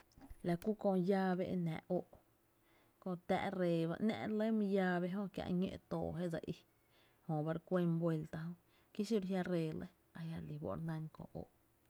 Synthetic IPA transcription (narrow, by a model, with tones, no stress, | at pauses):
la˨ku˦kõ˧jaː˧be˦ʔe˧nã̰˨ʔʔo˧˨ʔ | kõ˧t̪æ̰˧ʔɾeː˨βa̰˧ʔnɛ̰̃˧ʔɾle˦mĩ˧jaː˦˧βe˧ɦõ˦kja̰˧ʔɲḛ̃˧ʔt̪o̰ː˨ɦe˦ʔd͡za˧ʔi˧ | hõ˨ba˧ɾkʷe˧mbwe˧lt̪a˧hõ˦ | ki˦ʃi˦ɾɦja˧ɾeː˧˨le˦ | a˧ja˧li˨bo̰˧˨ɾnã˧ŋkõ̰˧˨ʔo̰˨ʔ